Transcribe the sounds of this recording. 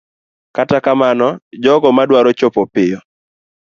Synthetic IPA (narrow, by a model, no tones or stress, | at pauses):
katakamanɔd͡ʒɔɡɔmadwaɾɔt͡ʃopɔpɪjɔ